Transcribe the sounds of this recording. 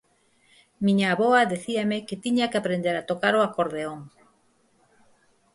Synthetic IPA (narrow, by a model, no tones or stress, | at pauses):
mĩɲaːβoaðeθiamɪket̪iɲakeapɾend̪eɾat̪okaɾoakoɾðeoŋ